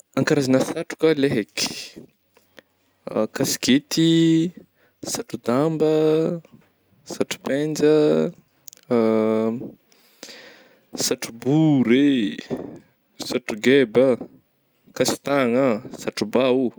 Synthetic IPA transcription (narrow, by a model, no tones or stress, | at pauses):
aŋkaɾazanəsaʈ͡ʂu̥kəleɦeki̥ | kasi̥ket̪i | saʈ͡ʂud̪ambə | saʈ͡ʂu̥pend͡ʒə | saʈ͡ʂubuɾe | saʈ͡ʂuɡebə | kasi̥t̪aŋəsaʈ͡ʂubau